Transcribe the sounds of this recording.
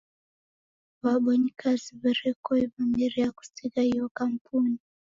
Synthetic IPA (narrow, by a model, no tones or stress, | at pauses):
βaɓɔɲikʰaziβaɾɛkɔiβamiɾiaku̥sikahiɔkampʰuni